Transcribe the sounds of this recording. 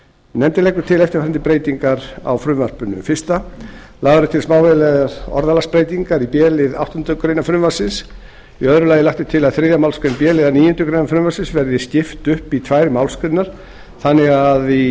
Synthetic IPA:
nɛmt̪ɪlɛjkːʏɾ̥t̪ʰɪlɛft̪ɪɾ̥faɾant̪ɪpɾeːjt̪iŋkaɾa̰wfɾʏmvar̥pʏnːʏ̰mfɪr̥st̪a | laɣðaɾʏt̪ʰɪlsmaːwvɛlɛɣaɾɔ̰ɾðalaspɾeːjt̪iŋkaɾipjɛːlɪða̰wht̪ɔʏnt̪ʏkɾejnafɾʏmvḁsɪns | iœðɾʏlaːjɪlaht̪ɪt̪ʰɪlaðθɾeðjamawlskɾɪnpjɛːlɪðaniːjʏnt̪ʏkɾejnafɾʏmvasɪnsvɛɾðɪscɪft̪ʏhpit̪ʰvajɾɪmawlskɾɪnaɾ̥ | θanːɪɣaði

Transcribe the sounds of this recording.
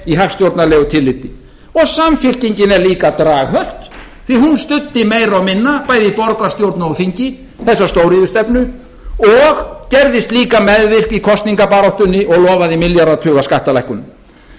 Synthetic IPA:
iɦafst̪jowɾt̪nalɛːɣʏt̪ʰɪlːɪt̪ːɪ | ɔɣsamfɪl̥ciɲcɪnɛɾliːkat̪ɾaːɣɦœl̥t̪ | θiɦunst̪ʏt̪ːɪmejɾawmɪnːapaːjðɪipɔɾkvast̪jowɾt̪naɔwθiɲcɪ | θɛsːast̪owɾɪðʏst̪ɛpnʏ | ɔɣcɛɾðɪst̪liːkamɛðvɪr̥kikʰɔst̪niŋkapaɾɔwht̪ʏnːɪʔɔɣlɔːvaðimɪljaɾðat̪ʰʏːɣaskaht̪alajhkʏnʏm

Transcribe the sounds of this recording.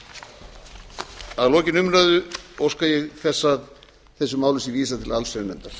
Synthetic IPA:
aðlɔːcɪnʏmɾaðʏowskajɛɣθɛsːað | θɛsːʏmaːwlʏsiviːsat̪ʰɪlalsɛɾnɛmt̪aɾ̥

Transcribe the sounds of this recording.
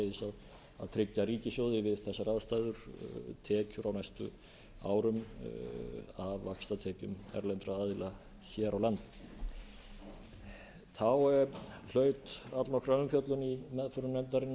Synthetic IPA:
ðɪsað | a̰ðt̪ʰɾɪcːaɾiːcɪsjoːwðɪvɪðθɛsːaɾaðst̪aːjðʏɾ̥t̪ʰɛːcʏɾawnajst̪ʏ̰ | a̰ːwɾʏm | avːakst̪at̪ʰɛːcʏmɛ̰ɾlɛnt̪ɾaaːðɪla | çɛːɾawlant̪ | θawɛɾl̥œːɥt̪at̪lɔhkɾaʏmfjœt̪lʏnimɛðfœɾʏnɛmt̪aɾɪnː

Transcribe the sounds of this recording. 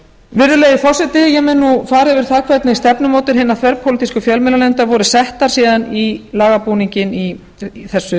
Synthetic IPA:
vɪɾðʏleːjɪfɔwsɛt̪ɪjɛɣmɛnːufaːɾɪvɪɾ̥θaðkʰvɛt̪nɪist̪ɛpnʏmoːt̪ɪɾ̥ɦɪnːaθvɛɾpʰolɪt̪iskʏfjœlmɪlalɛnt̪avɔɾʏsɛht̪aɾ̥siːðanilaːɣapuniɲcɪni | θɛsːʏ

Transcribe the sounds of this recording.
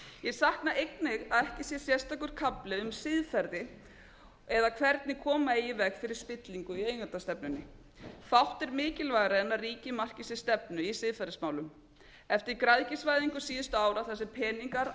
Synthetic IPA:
jɛθahknaʔejknɪɣaðɛhcɪsjɛ̥sjɛst̪akʏɾ̥kʰaplɪʏmsɪðfɛɾðɪ | ɛðakʰvɛɾt̪nɪkʰɔːmaeːjɪvɛxfɪɾɪɾ̥spɪt̪liŋkʏieːjnant̪ast̪ɛpnʏnːɪ | fawht̪ɛɾmɪːcɪlvaɣɾaðɛnːariːcɪmar̥cɪsɪ̥st̪ɛpnʏisɪðfɛɾðɪsmaːwlʏm | ɛft̪ɪɾkɾaðcɪsvajðiŋkʏ̥siːðʏst̪ʏaːwɾaθɛsːɪpʰɛːniŋkaɾ

